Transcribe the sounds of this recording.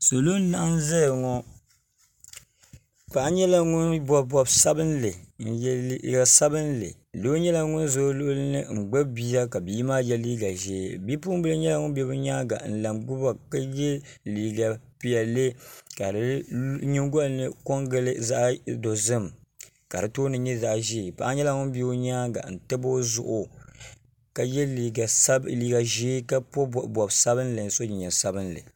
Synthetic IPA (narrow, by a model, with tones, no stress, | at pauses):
so˨lo˦n˦na˦nzɛ˦jŋɔ˦ | pa˨ʔa˦ɲɛ˦la˦ŋʊ˦nbɔ˨bɔ˨bsa˦bɨ˦n˦lɨ˨˦ | ja˨sa˦bɨ˦n˦lɨ̰˨ | lo˦ɲɛ˦la˦ŋʊ˦nzo˦lʊ˦ʔʊ˦lɨ˦nɨ˦ŋ͡m̩˨ɡ͡bɛ˦bi˦ja˦ka˨bi˨˦maː˦jɛ˦liː˦ɡa˨ʒɛ˨bi˦pu˦m˦bɨ˦lɨ˦ɲɛ˦la˦ŋʊ˦bɛ˦bɨ˦ɲaː˦ɡa̰˨n̩˨la˨mɡʊ˦ba˨ka˦jɛ˦liː˨ɡa˨pi˦˨ɛ˨lɨ˦ka˨dɨ˦ɲi˦ŋɡɔ˦lnɨ˦ko˦ŋɡɨ˦lɨ˦za˦ʔdo˨zɨ˦m˨ | ka˨ɾɨ˨toː˦nɨ˦ɲɛ˦za˦ʔʒi˦˨pa˦ʔa˦ɲɛ˦la˦ŋʊ˦n˦bi˦o˦ɲaː˦ɡa̰˨n̩˨tɨ˦bo˦zʊ̰˨ʔʊ˨ | ka˨jɛ˦li˨ɡa˨sa˦liː˦ɡa˨ʒe˦ka˦po˦˨bɔ˨bsa˦bɨ˦n˦lɨ˨n˨˦so˦ɲi˨ɲɛ˨sa˦bɨ˦nlɨ̰˨